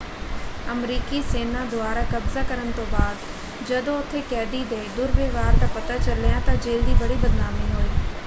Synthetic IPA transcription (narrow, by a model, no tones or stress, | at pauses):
ɐmɾiːkiseːnad̪ʊaːɾakɐbzakɐɾənɪ̆t̪oːbaːd̪ | d͡ʒɐd̪oʊt̪ʰekɛːɖ̪id̪ed̪ʊɾʋeːʋaːɾt̪ɐpɐt̪at͡ɕɐlijãt̪ɐd͡ʒeːld̪ibɐɽibɐd̪naːmiɦoːiː